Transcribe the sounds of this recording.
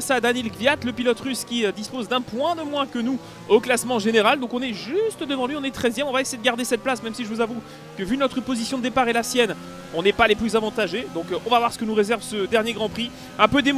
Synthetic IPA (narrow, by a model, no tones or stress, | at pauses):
sad̪anɛlɡvjat̪ləpilɔt̪ʁyskʲiød̪ispozd̪ɛ̃pwɛ̃d̪əmwɛ̃kənu | oklasmɑ̃ʒeneʁald̪ɔ̃kɔ̃nɛʒyst̪d̪əvɑ̃lɥiɔ̃nɛt̪χɛzjɛmɔ̃vaesejed̪əɡaʁd̪esɛt̪̚plasmɛmsiʒəvuzavu | kəvynɔt̪χəpozisjɔ̃d̪əepaʁelasjɛn | ɔ̃nɛpaleplyzavɑ̃t̪aʒed̪ɔ̃kɔ̃vavwaʁsə̥kənuʁezɛʁvsəd̪ɛʁnjeɡʁɑ̃pχi | ɛ̃pød̪em